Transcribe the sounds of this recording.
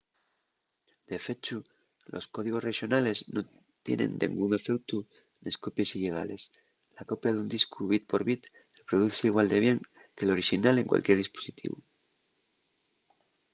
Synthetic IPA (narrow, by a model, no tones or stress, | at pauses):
d̪̥e̞fe̞t͡ʃu | lo̞̰sko̞ð̞iɣ̞o̞sre̞ʃjo̞nale̞zno̞ | t̪je̞̰nẽ̞̰nd̪ḛ̃ŋɡuŋe̞fe̞k̚t̪u | neskopje̞siʎeɣ̞a̰le̞s | lako̞pjaðund̪iskuβit̪̚po̞ɾβit̪ | repɾoðuθeiɣ̞wald̪e̞β̞je̞ŋkelo̞ɾiʃinale̞ŋkwʔa̰lkjeɾð̞isposit̪ḭβṵ